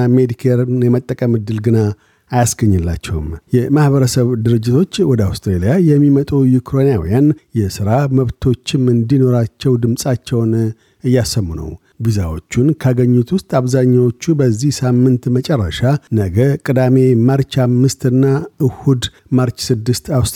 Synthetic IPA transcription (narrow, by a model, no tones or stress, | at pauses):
med̪ikʰeɾnjɛmət̪ʼːəkʼəmɨd̪ːɨlɡɨna | ajasɡəɲːɨlːa̰t͡ʃːɛ̰wɨmjɛmahβəɾəsəβd̪ɨɾɨd͡ʒːɪt̪ʰo̞t͡ʃːwɔd̪əawst̪ʰʼɾelijajɛmːimət̪ʼujukʰɾo̞nijawḭjanjɛsɨɾaməβt̪ʰo̞t͡ʃːɪmɨnd̪ino̞ɾat͡ʃːɛwd̪ɨmsʼat͡ʃːɛwn | ɨjːasəmːunə̰w | bizawo̞t͡ʃːunkʰaɡəɲːut̪ʰwʊst̪ʼaβzaɲːawo̞t͡ʃːubəzːihsamːɨnt̪mət͡ʃʼɛrːə̰ʃanəɡəkʼɨd̪ame̞məɾt͡ʃamːɨst̪ɨnːaɨhud̪ | məɾt͡ʃsɨd̪ːɨst̪aws